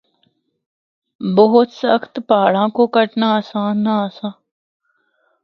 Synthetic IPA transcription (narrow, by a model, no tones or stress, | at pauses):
boɦʊt̪səxt̪paːɭ̤ãːkoːkəʈnaːəsãːnːaːsãː